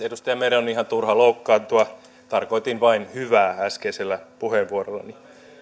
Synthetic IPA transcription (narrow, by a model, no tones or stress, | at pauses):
edust̪ɑjɑmeɾeonihɑnt̪urhɑloukːɑːnt̪uɑ | t̪ɑrkoit̪inʋɑinhyʋæːæskeiselːæpuheːʋʋuorolːɑ̰ni